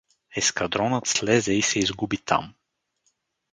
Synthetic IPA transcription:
ɛskɐd̪ɾɔnət̪slɛzɛisɛizɡubit̪ʰa̰m

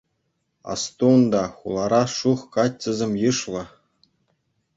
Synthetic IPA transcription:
ɑ̰st̪uund̪ɑχulˠɑɾɑʂuχkɑtʲːɘ̆zʲemʲjɯʂlˠɤ̆

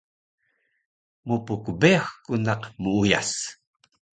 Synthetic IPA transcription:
mupukbeaxkunɑqmuuja̰s

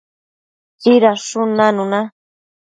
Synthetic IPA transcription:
t͡siɾaʂʊnanʊna

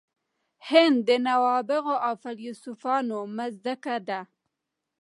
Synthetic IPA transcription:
hɪnd̪ːənawɑbɪɣoʔawfaljusufɑnomazd̪akad̪a

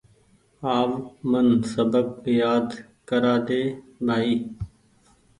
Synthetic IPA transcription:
aːʋmənsəbəb̚jaːd̪ | kəɾaːd̪eːbʱaːiː

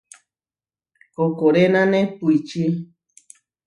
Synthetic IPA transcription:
kokoɾenãnẽpuit͡ʃi

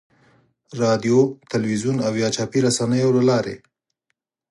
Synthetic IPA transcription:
ɾɑd̪jot̪alwizunawjɑt͡ʃɑpiɾasanəjolalɑɾḛ

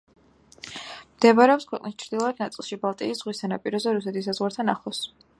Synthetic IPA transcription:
md̪̥ɛbɾɛɔpskʰwɛqʼnist͡ʃʰɾd̪ilˠɔad̪̚ʰnat̪sʼilˠʃibalˠt̪ʼḭisz̥ʁwist̪ʰanapʼiɾɔzɛɾusɛt̪ʰis̬ːazʁwaɾt̪ʰanaχɔs

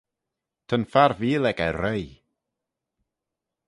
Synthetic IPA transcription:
tʰənfaɾviːlɛɡaɾəj

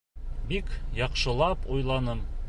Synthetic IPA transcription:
bikjɑqʃɤ̆lˠɑpujlˠɑnɤm

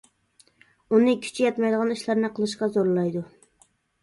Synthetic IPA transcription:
unɨkʲʰy̥t͡ʃʰijɑt̪mɑjd̪əʁɑniʃlˠɑɾnɨqʰəlˠɨʃ̬qɑzoɾlˠɑjd̪u

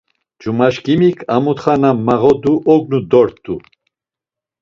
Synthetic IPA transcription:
d͡ʒumaʃkimikʰamut̪χanamːaʁɔd̪uʔɔɡnud̪ɔɾt̪ʰʼːu

